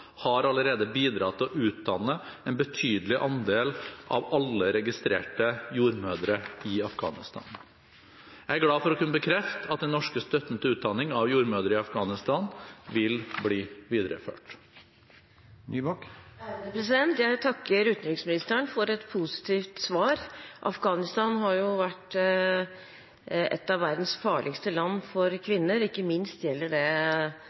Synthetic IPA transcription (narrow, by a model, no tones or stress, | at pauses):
hɑɾɑləɾeːd̪əbiːd̪ɾɑt̪ʰːɪɔʔʉːt̪̚d̪ɑnːəɛnbət̪ʰyːd̪əlɪʔɑnd̪eːlʔɑ̰ʋɑlːəɾɛɡɪst̪ɾḛːʈəjuːɾmøːd̪ɾəɪɑfɡɑ̰ːnɪst̪ʰɑ̰ːn | jæɪæɡɽɑːfɔɾɔkʉnəbəkʰɾɛft̪ɑt̪̚d̪ɛnɔʂkəst̪œt̪nt̪əʉːt̪̚d̪ɑnɪŋɑʋjuːɾmøːd̪əɾəɪɑfɡɑːnɪst̪ɑːnʋɪlbɽiːʋiːd̪ɾə̰fø̰ːʈ | æəpʰɾɛs̬ɪd̪ɛnt̪jæɪt̪ʰɑkːəɾʉːt̪nd̪ɾɪŋsmɪnɪst̪əɳfɔɾɛt̪pʰʊsɪ̥t̪ʰiːft̪sʋɑːɾʔɑ̰fɡɑːnɪst̪ɑnɦɑɾjʊʋæʈː | ɛ̰t̪ːɑʋʋæɾd̪n̩sfɑːɭʔɪkst̪əlɑnːfɔɾkʰʋɪnːəɾɪkːəmɪnst̪jɛlːəɖɛ